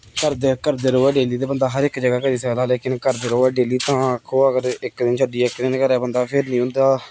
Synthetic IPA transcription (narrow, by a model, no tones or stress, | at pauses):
kəɾd̪eːkəɾd̪eːɾoːɛːɖeːliːt̪eːbənd̪aːɦəɾɪkd͡ʒəɡaːkəɾiːsəd̪aːleːkɪnkəɾd̪eːɾoːɛːɖeːliːt̪ãːkʰːõːəɡəɾɪkd̪ɪnt͡ʃʰəɖiːɪkd̪ɪnkəɾɛːbənd̪aːpʰɪɾnĩːɦʊ̃nd̪aː